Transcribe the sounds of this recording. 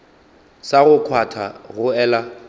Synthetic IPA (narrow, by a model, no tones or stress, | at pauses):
saɣʊkʰwatʰa̰ɣʊɛːla